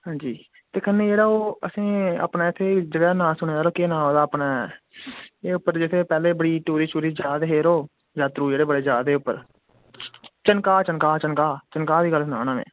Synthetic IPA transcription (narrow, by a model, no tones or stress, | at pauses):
ɦãːd͡ʒiː | t̪eːkʰəneːd͡ʒeːɽaːoːəsĩːa̰ːpnaːɪt̪ʰːeːd͡ʒəɡɛːnãːsʊɽ̃eːaːɾoːkeːnãːɦoːd̪aːəpnaː | eːʊpːəɾd͡ʒɪt̪ʰeːpɛːleːbəɽiːʈuːɾiːt͡ʃuːɾiːd͡ʒjaːd̪ɦeːɾoː | d͡ʒaːt̪ɾuːd͡ʒeːɽeːbəɽeːzjaːd̪eːʊpːəɾ | t͡ʃənkaːt͡ʃənkaːt͡ʃənkaːt͡ʃənkaːd̪iːɡəlsna̰ːñaːʋḛ̃ː